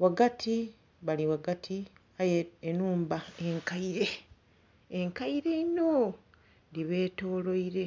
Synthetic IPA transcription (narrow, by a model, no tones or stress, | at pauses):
waɡatʰi | βaliwaɡatʰi | ajeenuːmbaeŋkaiɾe̞ː | ŋkaiɾe̞ino | diβe̞ːto̞ːlo̞iɾe̞